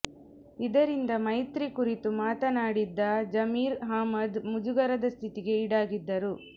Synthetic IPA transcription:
id̪ɐɾind̪ɐmɐjt̪ɾikuɾit̪umaːt̪ɐnaːɽid̪ːɐd͡ʒɐmiːɾɦaːmɐd̪mud͡ʒuɡɐɾɐd̪ɐst̪ʰit̪iɡe̞iɽaːɡid̪ːɐɾu

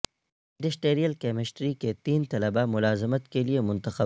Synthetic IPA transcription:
ɪ̃ɳɖɪsʈeːɾijəlkɛːmɪsʈɾiket̪iːnt̪ɐləbamʊlaːzɪmət̪keliemʊ̃nt̪əxə

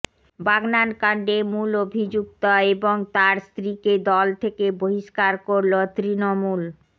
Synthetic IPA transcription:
baɡnankaɳɖemulobʱid͡ʑuk̚t̪oeboŋt̪aɾst̪ɾiked̪ɔlt̪ʰekeboɦiʃkaɾkoɾlot̪ɾinomul

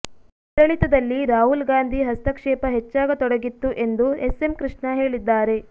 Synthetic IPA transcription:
ɾɐɭit̪ɐd̪ɐlːiɾaːɦulɡaːnd̪ʱiɦɐst̪ɐkʂɛːpɐɦet͡ʃːaːɡɐt̪ɔɽɐɡit̪ːuʔe̞nd̪uese̞mkɾɨʂɳɐɦe̞ːɭid̪ːaːɾe̞

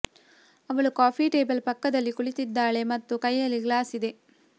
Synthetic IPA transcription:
ɐʋɐɭukaːpʰiʈeːbɐlpɐkːɐd̪ɐlːikuɭit̪id̪ːaːɭe̞mɐt̪ːukɐjːɐlːiɡlaːsid̪e̞

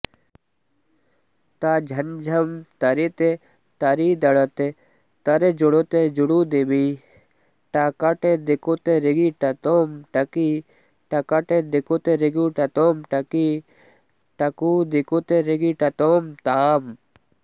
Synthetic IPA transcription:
t̪ad͡ʒʱɐnd͡ʒʱɐmt̪ɐɾit̪e | t̪ɐɾid̪ɐɽɐt̪e | t̪ɐɾed͡ʒuɽot̪ed͡ʒuɽud̪emi | ʈakaʈed̪ɪkot̪eɾɪɡiʈɐt̪oːmʈɐki | ʈɐkaʈed̪ɪkot̪eɾiɡuʈɐt̪oːmʈɐki | ʈɐkud̪ɪkot̪eɾɪɡiʈɐt̪oːmt̪aːm

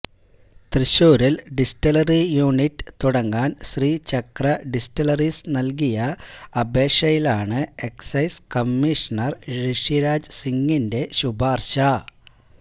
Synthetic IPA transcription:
t̪rɨɕoːɾilɖisʈɐlɐrijuːnitːɨ̥t̪uɽɐŋɡaːnɕriːt͡ɕɐkrɐɖistɐlɐrisnɐlkijɐɐbe̞ːʂɐjilaːɳɨe̞ksɐjskɐmːiʂɐnɐrɾiʂiɾaːd͡ʑsiŋːinde̞ɕubʱaːrɕɐ

